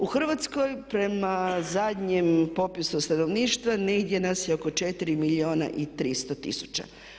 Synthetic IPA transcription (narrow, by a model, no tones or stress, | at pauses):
uxr̩ʋat̪sko̞jpɾe̞mazad̪ɲempo̞pisust̪ano̞ʋniːʃt̪ʋaneid̪je̞nasjeoko̞t͡ʃet̪iɾimilio̞ːna̰ʔit̪ɾist̪o̞t̪ḭsu̥t͡ɕa̰